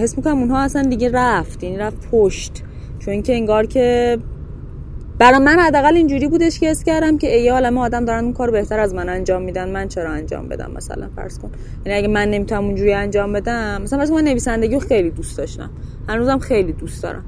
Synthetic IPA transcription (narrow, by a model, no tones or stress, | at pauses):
hesmikʰonæmunɦɒːæsænd̪iɟʲeræft̪jæniɾæfpʰoʃt̪ | t͡ʃʰoicʰe̞eŋɡɒːɾcʰe̞ | b̥æɾɒmænhæd̪ːæːɣælind͡ʒuːɾiːbuːd̪eʃkehestcʲæɾd̪æmceejeɒːlæmeɒːd̪æmd̪ɒːɾænd̪unkɒːɾːobe̞ht̪æɾæzmænænd͡ʒɒːmːiːd̪ænmænt͡ʃʰeɾɒænd͡ʒɒ̰ːmbed̪æ̰mmæ̰sæ̰læ̰nfæ̰ɾz̥kʰon | jjæniæɟæmænːe̞mit̪ʰunæmund͡ʒuːɾiænd͡ʒɒːmbe̞d̪æmːæsælæfæɾskonmænːe̞viːsænd̪e̞ɟiːɾoxejliːd̪ust̪d̪ɒʃt̪æ̰mhænuːzæmxejliːd̪ust̪d̪ɒ̰ɾæ̰m